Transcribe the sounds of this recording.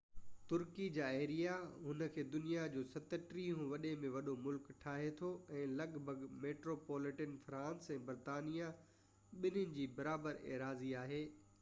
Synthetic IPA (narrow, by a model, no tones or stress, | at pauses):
t̪ʊɾkid͡ʑaːeːɾijaɦʊnəkʰeːd̪ʊnijad͡ʑoːsɐt̪əʈɾiɦũʋɐɗemẽʋɐɗomʊlkʈʰaːɦet̪ʰoɛ̃ːlɐɡbʱəɡmeːʈɾoːpoːlɪʈənfɾãːnsɛ̃ːbɐɾt̪aːnija | ɓɪnʊnɪ̆d͡ʑiːbɐɾaːbəɾḛːɾaːziaːɦeː